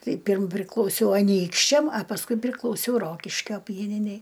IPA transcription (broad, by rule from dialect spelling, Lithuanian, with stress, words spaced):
ˈtɐɪ ˈpʲiːrm pʲrʲɪklˠɐʊˈsʲɛʊ ɐˈnʲiːkʃʲt͡ʃʲɛm ɐ pɐsˈkʊɪ pʲrʲɪklˠɐʊˈsʲɛʊ ˈroːkʲɪʃʲkʲoː ˈpʲiɛnʲɪnʲɛɪ